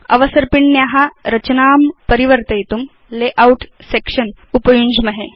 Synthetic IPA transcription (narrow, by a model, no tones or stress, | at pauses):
ɐ̰ʋɐsəɾpiɳnjaɦaɾɐt͡ɕnaːmpəɾiʋəɾt̪ɐjt̪um | leʔauʈsekʂən | upɐjuɲd͡ʒmɐɦe